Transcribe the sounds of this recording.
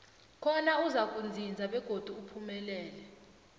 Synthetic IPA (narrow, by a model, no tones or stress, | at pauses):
kʰɔnauzak̬ʼund͡zʱind͡zʱaɓɛɡ̥ʱod̥ʱuːpʰumɛlɛːlɛ